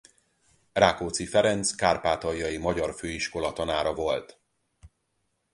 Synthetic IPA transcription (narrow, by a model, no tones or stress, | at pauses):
raːkoːt̪sifɛɾɛnt̪skaːrpaːt̪ɒjːɒjimɒɟɒrføːiʃko̞lɒt̪ɒnaːɾɒvo̞lt̪